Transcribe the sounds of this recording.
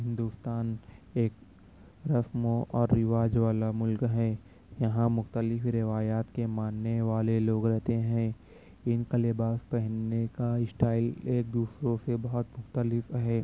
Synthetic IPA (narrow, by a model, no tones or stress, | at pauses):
ɦɪ̃nd̪uːst̪aːneːk | ɾɐsmõʔɔːɾːɪʋaːd͡ʒʋaːlamʊlkɦɛ̃ː | jɐɦãmʊxt̪əlɪfɾɪʋaːjaːt̪kemaːnːeʋaːleloːɡɾɛɦt̪eɦɛ̃ | ɪnkəlebaːspɛɦnːekaɪsʈaːɪleːk̚d̪uːsɾõsebɐɦʊt̪mʊxt̪əlɪfɦɛː